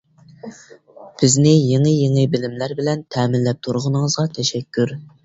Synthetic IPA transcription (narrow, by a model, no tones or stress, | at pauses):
b̥ɪznɪjeŋɨjeŋɨbɪlɪmlæɾbɪlɛnt̪ʰɛːmɪlːɛp̚t̪ʰuɾʁʊnɨŋəzʁɑt̪ʰɛʃɛkʲːyɾ